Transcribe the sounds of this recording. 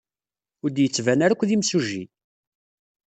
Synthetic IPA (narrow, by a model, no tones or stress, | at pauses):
ʊɾd̪jət͡sːvænaɾækʷːðimsuʒi